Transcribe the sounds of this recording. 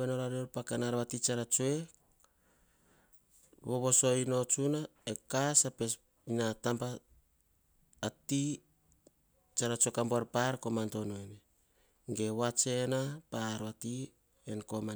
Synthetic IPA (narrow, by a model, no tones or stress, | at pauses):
enoɾaɾeoɾpakanaɾβatit͡ʃaɾat͡ʃue̞ | βoβo̞so̞jno̞t͡ʃunaekasape̞s | inatampa | ti | t͡ʃaɾat͡ʃoekamboaɾpaɾkomantonoene | ɡe̞wat͡ʃe̞napaɾβati | enko̞ma